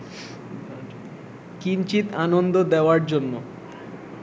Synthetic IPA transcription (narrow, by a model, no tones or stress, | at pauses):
kint͡ɕit̪anond̪od̪eoaɾd͡ʑonːo